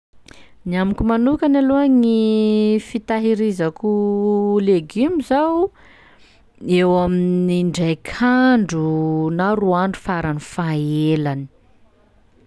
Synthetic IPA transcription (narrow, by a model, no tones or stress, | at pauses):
niamikumanukanaluaŋifit̪aɦiɾizakuleɡimizaw | ewaminiɳɖ͡ʐajkʰaɳɖ͡ʐunaɾuaɳɖ͡ʐu̥faɾanifaelani̥